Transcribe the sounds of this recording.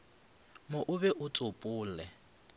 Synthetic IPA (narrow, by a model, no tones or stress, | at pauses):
moʔʊbɛʔʊt͡sʼʊpʼʊːlɛ